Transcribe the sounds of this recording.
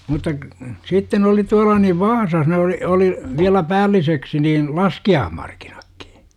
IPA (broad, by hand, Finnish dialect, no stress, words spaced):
mutːɑ k sitːen oli tuɑlɑ niʋ ʋɑːsɑs ne oli oli ʋiælæ pæːlːiseksi niːn lɑskiɑːhmɑrki̥n̥ɑ̥kːi̥